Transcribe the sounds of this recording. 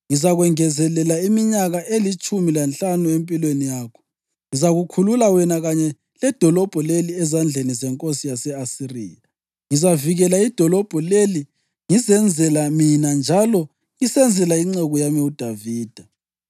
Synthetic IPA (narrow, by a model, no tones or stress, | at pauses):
ŋizaɣwɛŋɛzɛlɛlaimiɲaɣaʔelit͡ʃʼumilanɬʼanuempʼilwenijaːkʰɔ̥ | ŋizaɣukʰululawɛnaɣaɲɛ | lɛd̥ʱɔlɔb̥ʱɔleliɛzand͡ɮʱenizɛŋkʼosijasɛasirḭːja | ŋizaviɣɛlaid̥ʱɔlɔb̥ʱɔleli | ŋizɛnd͡zʱɛlaminand͡ʒʱalɔ | ŋisɛnd͡zʱɛlaiŋ͡ǀɛɣɔjamiud̥ʱaviːd̥ʱa